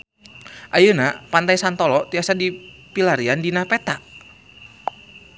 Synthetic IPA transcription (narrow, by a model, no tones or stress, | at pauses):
ʔajənapant̪ajsant̪ɔlɔt̪iasadipilaɾiandinapet̪aʔ